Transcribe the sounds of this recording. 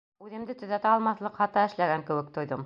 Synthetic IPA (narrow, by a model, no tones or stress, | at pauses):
ʉðɘ̆md̪ɘt̪ɵ̆ðæt̪æɑlˠmɑθlˠɤqhɑt̪ɑɘ̆ʃlæɡæŋkɘ̆wɘ̆k̚t̪ŏjðɤm